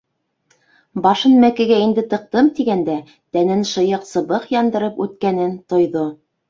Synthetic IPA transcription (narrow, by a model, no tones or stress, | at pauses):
bɑʃɤnmækɘ̆ɡæind̪ɘt̪ɤ̆q̚t̪ɤmt̪iɡænd̪æ | t̪ænɘnʃɤ̆jɤqsɤ̆βɤqjɑnd̪ɤ̆ɾɤpʉt̪̚kænɘnt̪ŏjðo